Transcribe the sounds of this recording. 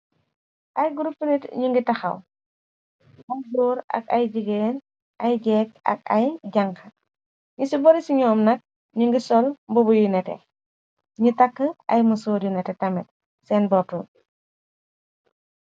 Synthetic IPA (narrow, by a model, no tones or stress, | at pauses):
ʔɐjɡuɾupːənitɲuŋɡitɐxɐ̰w | ɐjdɔːɾɐ̰kɐjɟiɡeːn | ʔɐjɟɛːk̚ɐ̰k̚ɐ̰jɟɐŋkɐ | ɲusibɔɾisiɲɔːmnɐk̚ | ɲuŋɡisɔlmbɔbujunɛtɛ̰ | ɲutɐkːəʔɐjmɐsɔːɾjunɛtɛtɐmɛt̚ | sɛːnbɔtul